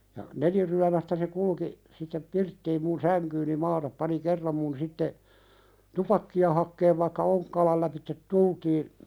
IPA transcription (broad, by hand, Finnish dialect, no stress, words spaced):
jɑ neliryæmæstæ se kulki sitːep pirtːiːm mun sæŋkyːni mɑːtɑp pɑni kerːɑm mun sitːe tupɑkːiɑ hɑkːeːʋ ʋɑĭkːɑ oŋkːɑːlɑl læpitːet tultiːn